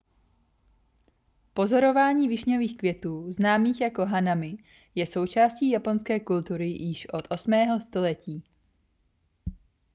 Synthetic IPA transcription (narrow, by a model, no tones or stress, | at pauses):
po̞zo̞ɾo̞vaːɲiːvɪʃɲoviːxkvjɛt̪uːznaːmiːxjako̞ɦanamɪ | jɛso̞wt͡ʃaːsciːjapo̞nskɛːkult̪uɾɪjɪʃʔo̞t̪ʔo̞smɛːɦost̪o̞lɛciː